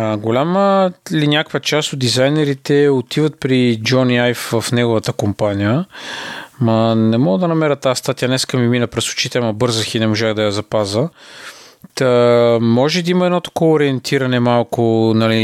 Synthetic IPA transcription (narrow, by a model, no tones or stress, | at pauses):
ɡolʲaməlinʲakə̥kvət͡ʃast̪otd̪izajnɛɾit̪ɛot̪ʰivət̪̚pɾid͡ʒɔniajfvɐfnɛɡʊvət̪əkompanijə | mɐnɛmɔɡəd̪ɐnɐmɛɾət̪aəst̪at̪ijənɛskəmiminəpɾɛso̥t͡ʃit̪ɛɛmɐbɤɾzəxinɛmoʒaxd̪ɐjɐzɐpazə | t̪əmɔʒɛd̪əiməɛd̪nɔt̪ɐ̥kɔvoɾiɛnt̪ʰiɾɐnɛmalˠkʊnɐli